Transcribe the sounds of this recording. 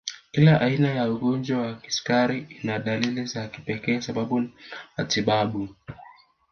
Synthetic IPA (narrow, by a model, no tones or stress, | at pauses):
kilaʔainajauɡɔnd͡ʒwawaki̥skaɾiinaɗalilizaki̥pɛkɛasaɓaɓunmatiɓaɓu